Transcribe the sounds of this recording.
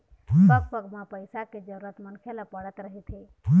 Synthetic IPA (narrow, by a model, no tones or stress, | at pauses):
ɦsəkpəɡmapəjsaked͡ʒəɾuɾət̪mənkʰeləpəɽət̪ɾəɦit̪ɦe | ɦ